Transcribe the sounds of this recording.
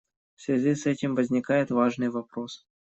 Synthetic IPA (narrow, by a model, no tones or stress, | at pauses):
fsvʲazʲisɛtʲɪmvəzʲnʲɪkajɪt̪vaʐnɨjvapɾos